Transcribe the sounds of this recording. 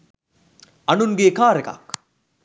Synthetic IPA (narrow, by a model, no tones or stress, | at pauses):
ɐnuŋɡeːkaːɾeka̰k